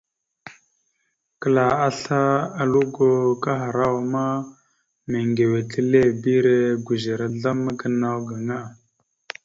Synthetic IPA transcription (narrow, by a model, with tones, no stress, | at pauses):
kə˨la˨a˦ɬa˦a˨lu˦ɡo˦ka˦ɦa˨ɾa˦wa˨ma˦ | me˨ŋɡe˨we˨tə˦le˦˨bi˦ɾe˦ɡu˨ze˨ɾa˨ɮa˦ma˦ɡə˦na˦wɡa˨ŋa˦˨